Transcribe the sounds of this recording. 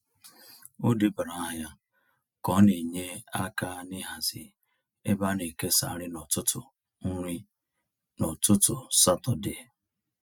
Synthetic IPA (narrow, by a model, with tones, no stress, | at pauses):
o˦dɪ˦ba˨ɾa˨a˦ɦja˦ | kɔ˨˦ne˨ɲe˦a˦ka˦nɪ˦ɦa˨zɪ˨ | e˦ba˦ne˨ke˦sa̰˨ɾɪ˦nɔ˨tʊ˦tʊ˨˦ | ɾi˦ | nɔ˨tʊ˦tʊ˨sa˦tɔ˨dɪ˦e˨